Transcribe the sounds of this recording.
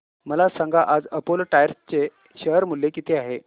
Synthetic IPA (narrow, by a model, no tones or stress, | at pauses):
məlasãŋɡaʔad͡zəpolʈajəɾst͡ɕe | ɕəɦɾmulːekit̪ʰeaɦe